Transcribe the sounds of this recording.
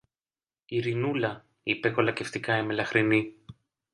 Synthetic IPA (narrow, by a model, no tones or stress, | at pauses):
iɾinulɐ | ipe̞ko̞lɐce̞ft̪ikɐemelɐxɾini